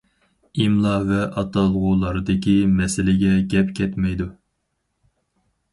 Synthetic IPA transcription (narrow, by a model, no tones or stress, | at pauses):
imlˠɑvɛʔɑt̪ɑlˠʁʊlˠɑɾɨd̪ɪkʲʰimɛsɪlɪɡʲɛɡʲɛpkʲʰɛt̪mɛjd̪u